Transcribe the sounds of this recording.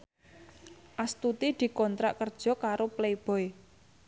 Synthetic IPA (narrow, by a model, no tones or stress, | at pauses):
ʔast̪ut̪id̪̥i̤kɔnt̪ɾaʔkərd̥ʒ̥ɔ̤kaɾopleb̥ɔ̤j